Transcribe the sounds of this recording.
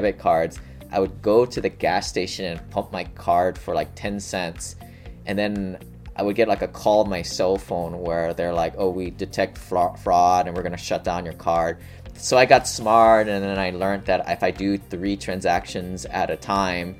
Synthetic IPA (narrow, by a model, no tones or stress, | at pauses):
bɨt̚kʰɑɹdz̥ | ʔaɪwɨd̚ɡoʊɾɨðɨɡæsteɪʃɨ̃nɨ̃npʰʌ̃mp̚maɪkʰɑɹd̥fə˞laɪk̚tʰɛ̃nsɛ̃nts | ʔɨ̃nðɨ̃n | ʔaɪwɨd̚ɡɛt̚ˡlaɪkɨkʰɔlˠd̚maɪsɛlˠfõʊ̃nwə˞ðə˞laɪkoʊwidɨtʰɛk̚tffɹɔɾɨ̃nwɨɹɡʌnɨʃʌt̚d̥ãʊ̃njə˞kʰɑɹd̥̚ | soʊaɪɡɑtsmɑɹtɨ̃nðɨ̃naɪlɜ̃˞nðɨɾɪfaɪdɨθɹitʰɹ̥æ̃nzækʃɨ̃nzɨɾɨtʰãɪ̃m